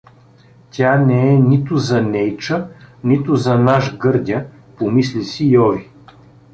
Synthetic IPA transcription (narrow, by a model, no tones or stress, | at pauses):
t̪ʲanɛɛnit̪ʊzɐnɛjt͡ʃənit̪ʊzɐnaʃɡɤɾd̪ʲjə | pomislisijɔvi